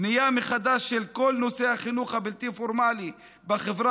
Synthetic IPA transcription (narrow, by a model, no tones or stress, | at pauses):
nijameχad̪aʃːelkolnoseaχinuχabilt̪ifoɾmali | baχevɾa